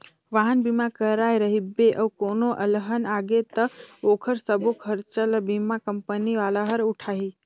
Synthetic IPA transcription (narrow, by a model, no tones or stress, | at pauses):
ʋaːɦənbimãkəɾaːeɾəɦibeʔɐʋkoːnoʔɐləɦənaːɡet̪ɐoːkʰəɾsəbokʰəɾt͡ʃəlbimãkəmpəniʋaːlaɦəɾʊʈʰaːɦiː